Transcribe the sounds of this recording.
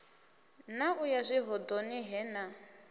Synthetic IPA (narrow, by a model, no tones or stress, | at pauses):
naʔujazʷiɦɔdoniɦɛna